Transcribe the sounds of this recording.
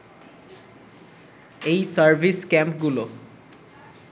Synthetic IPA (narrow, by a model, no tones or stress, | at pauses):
ejsaɹbʱiskɛmpɡulo